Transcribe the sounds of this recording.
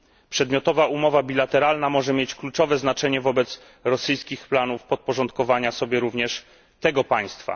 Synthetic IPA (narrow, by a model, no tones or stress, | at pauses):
pʂɛd̪mʲjɔt̪ɔvaʔumɔvabʲilat̪ɛɾalnamɔʐɛmʲjet͡ɕklut͡ʂɔvɛznat͡ʂɛɲɛvɔbɛt̪s | ɾɔsɘjskʲixplanufpɔt̪̚pɔʐɔnt̪̚kɔvaɲasɔbʲjɛɾuvɲɛʂ | t̪ɛɡɔpaj̃st̪fa̰